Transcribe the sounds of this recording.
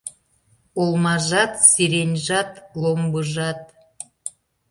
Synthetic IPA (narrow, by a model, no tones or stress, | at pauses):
olˠmɑʒɑt̪siɾenʲʒɑt̪lombəʒɑt̪̚